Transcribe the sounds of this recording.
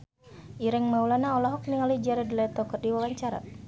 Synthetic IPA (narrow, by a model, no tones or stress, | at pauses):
ʔiɾɛŋmaulanaɔlaɦɔk̚niŋalid͡ʒaɾɛdlat̪ɔkərdiwawaɲt͡ʃaɾa̰